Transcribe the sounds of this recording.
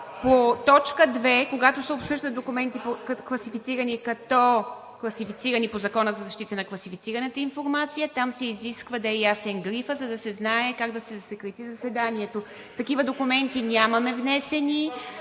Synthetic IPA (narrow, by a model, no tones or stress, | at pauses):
pot̪ɔt͡ʃkəd̪vɛkoɡat̪osɛopsɤʒd̪ət̪̚d̪okumɛnt̪ipokklˠɐsifit̪siɾɐniɛkɐt̪ɔ | klˠɐsifit̪siɾɐnipozɐkɔnəzɐzɐʃt̪it̪ənɐklˠɐsifit̪siɾɐnət̪əinfoɾmat̪sijət̪amsɛiziskvəd̪ɐɛjasɛnɡɾifəzɐd̪ɐsɛznaɛkaɡd̪ɐsɛzɐsɛkɾɛt̪izɐsɛd̪aniɛt̪o | ft̪ɐkivəd̪okumɛnt̪inʲamɐmɛvnɛsɛni